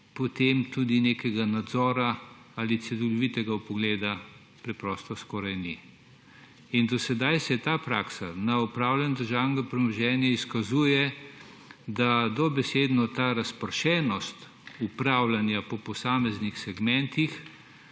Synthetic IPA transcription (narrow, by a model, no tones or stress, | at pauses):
pɔt̪emt̪ud̪ineːkɛɡanad̪zɔːɾa | alit̪sɛlɔlɔʋit̪ɛɡaupɔɡleːd̪a | pɾɛpɾɔst̪ɔskɔːɾajni | ind̪ɔsɛd̪ajsɛt̪apɾaːksanaupɾaːwlʲanɔd̪əɾʒawnɡapɾɛmɔʒɛːnjaiskazuːjɛ | d̪ad̪ɔbɛseːd̪nɔt̪aɾaspəɾʃɛːnɔst̪ | upɾaːwlanjapɔpɔsaːmɛznixsɛɡmɛ̃nt̪ix